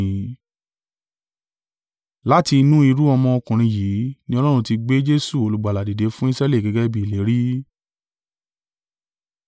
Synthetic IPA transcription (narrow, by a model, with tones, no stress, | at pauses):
la˦ti˧i˧nũ˦i˧ɾu˦ɔ˧mɔ̃˧ɔ˧kũ˨ɾ̃ĩ˧jiː˨˦nĩ˦ɔ˧lɔ˦ɾ̃ũ˧ti˧ɡ͡be˦d͡ʒe˦su˦˨o˨lu˨ɡ͡ba˨la˨di˨de˨˦fũ˦i˦sɾa˦le˦˨ɡɛ˨ɡɛ˦bi˦˨i˨le˨˦ɾi˦